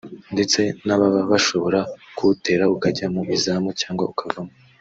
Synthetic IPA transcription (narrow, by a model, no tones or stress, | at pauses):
nde̞t͡se̞naβaβaβaʃo̞βo̞ɾakute̞ːɾaukaɟamuʔizaːmocaːŋɡwaukʰavamo